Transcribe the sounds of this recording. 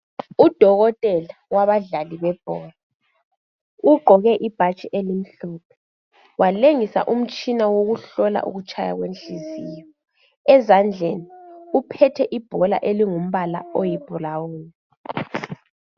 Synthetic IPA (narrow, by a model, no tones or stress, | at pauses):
ud̥ʱɔɣɔtʼɛlawaβaɮaliβɛb̥ʱɔːla | uɡ͡ǃʱɔɣɛʔib̥ʱat͡ʃʼiʔelim̩ɬup̚ʰɛ̥ | wʔaleŋisa̰ʔum̩t͡ʃʼinawoɣuɬɔla̰ʔṵɣut͡ʃʼaja̰ɣwent͡ɬizijɔ | ɛzand͡ɮʱeniupʰɛtʰɛʔib̥ʱɔla̰ʔeliŋum̩βala̰ojib̥ʱɔlawuːna